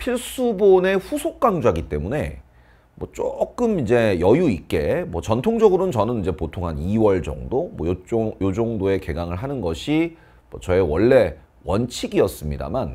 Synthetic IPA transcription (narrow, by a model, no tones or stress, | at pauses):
pʰiɭs͈ubone̞ɸusʰok̚k͈aŋd͡ʑuaɡit͈e̞mune̞̰ | mwʌt͡ɕ͈ok͈ɯmid͡ʑe̞jʌjuik̚k͈e̞mwʌt͡ɕʌntʰoŋd͡ʑʌɡɯɾonɯnt͡ɕʌnɯnid͡ʑe̞potʰoŋɦaniwʌɭd͡ʑʌ̰ŋdomwʌ̰jjod͡ʑoŋdoe̞ke̞ɡaŋɯɭɦanɯnɡʌɕʰi | mwʌt͡ɕʌewʌɭːe̞ | wʌnt͡ɕʰiɡiʌs͈ɯmɲida̰man